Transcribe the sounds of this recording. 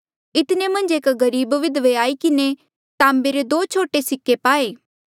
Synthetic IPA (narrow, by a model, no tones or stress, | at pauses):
ɪt̪nemɐ̃nd͡ʒeːkɡɐɾiːbʋɪd̪ʋeaːikɪne | t̪ãːmbeɾed̪oːt͡ʃʰoːʈesɪkːepaːeː